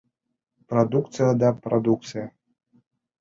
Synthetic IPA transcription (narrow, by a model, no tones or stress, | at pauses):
pɾad̪ukt̪sɨjɐd̪ɐpɾʔad̪uk̚t̪sɨjɐ